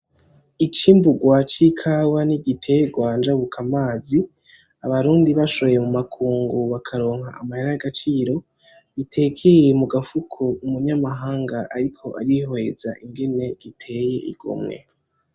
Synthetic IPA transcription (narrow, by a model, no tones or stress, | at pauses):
it͡ʃiːmbuɡwat͡ʃikʰawaniɟitʰe̞jeɡwaːnd͡ʒaβukʰamaːzi | aβaɾuːndiβaʃo̞jemumakʰuːŋɡuβakʰaɾo̞ːŋ̥ɦaamaheɾajaɡat͡ʃiːɾo̞ | βitʰe̞kʰejemuɡafukʰoumuɲamaɦaːŋɡaʔaɾikʰo̞ʔa̰ɾiɦo̞ezaʔiŋɡe̞ne̞ɡ̥itʰe̞ːje̞ʔḭɡ̥o̰mŋe̞̰